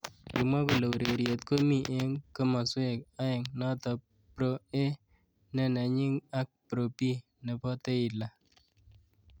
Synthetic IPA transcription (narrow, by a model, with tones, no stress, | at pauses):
kɪ˨mwa˦ko˨lo˨wɾe˨ɾje˨tko˦mi˦ʔe˦ŋkə˦ma˨swe˦˨ka˦e˨ŋnɔ˦tɔ˨ | pɾo˦e˦ | nɛ˦˨na˨ɲɪ˦ŋa˦k̚pɾo˨pi˦ | nɛ˨pɔ˦te˦ɪ˨la˨